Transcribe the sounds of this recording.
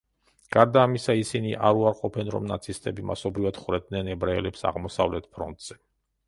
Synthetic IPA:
ɡ̥aɾd̪aːmisaisiniʔaɾuaɾqʼɔpʰɛnɾɔ̰mnat̪sʰist̪ʼɛbima̰sɔbɾivad̪̥χɾɛd̪nɛnɛbɾaɛlɛpsa̰ʁmɔsa̰vlɛt̪̚pʰɾɔnt̪ʼz̥ɛ

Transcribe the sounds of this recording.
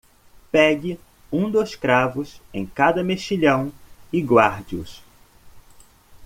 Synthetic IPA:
pɛɡɪ | ũd̪oskɾavʊsẽj̃kad̪ɐmeʃiʎɐ̃w̃ɪɡwaɾd͡ʒiʊ̰s

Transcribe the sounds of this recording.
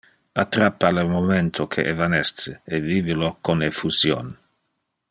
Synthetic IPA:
at̪ɾapːalemoment̪ʰokʰḛʔevanɛst̪seeviːvelokonefusjo̰n

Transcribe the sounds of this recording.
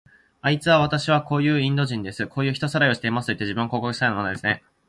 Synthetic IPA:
ait͡sɨβaβat̪aɕiβ̞ako̞ːjɯ̟ːĩnd̪o̞ʑĩnd̪e̞sɨkʰo̞ːjɯ̟ːçi̥t̪o̞saɾaio̞ɕi̥t̪eimasɨ̥t̪o̞it̪ːeʑibɯ̟̃ŋkoːkokɯ̟̥st̪ainomanod̪e̞sɨne̞

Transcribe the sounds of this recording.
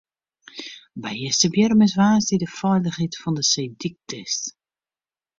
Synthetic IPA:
bɛjəsəbjərməsvaːsdidəfɛjləχɦitfɔndəsejdik̚tʰəs

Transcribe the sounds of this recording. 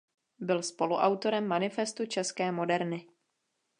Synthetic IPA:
bɪlspo̞luʔawt̪o̞ɾɛmːanɪfɛst̪ut͡ʃɛskɛːmo̞dɛɾnɪ

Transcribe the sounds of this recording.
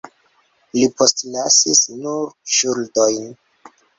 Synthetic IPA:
lipo̞stlasisnuɾʃuldojn

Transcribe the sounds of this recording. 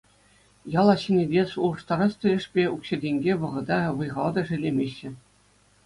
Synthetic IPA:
jɑlˠɑɕinʲedʲesuɤ̆ʂt̪ɑɾɑst̪ʲɘ̆lʲɘ̆ʂpʲeukɕɘ̆dʲeŋʲɡʲeʋɤ̆ʁɤ̆d̪ɑʋɯjʁɑlˠd̪ɤ̆ʐɘ̆lʲːemʲeɕːɘ̆

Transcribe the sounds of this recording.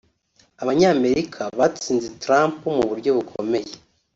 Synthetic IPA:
aβaɲaːme̞ɾikʰaβat͡siːnzetɾaːmpumuβuɾɟo̞βukʰo̰me̞je

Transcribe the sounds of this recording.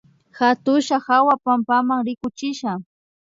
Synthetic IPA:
xat̪ʊʃahawapampamaŋɾɪkʊt͡ʃɪʃa

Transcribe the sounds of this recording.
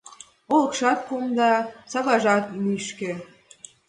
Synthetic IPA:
olɤ̆kʃɑt̪̚pumd̪ɑsɑβɑʒɑt̪niʃkĕ

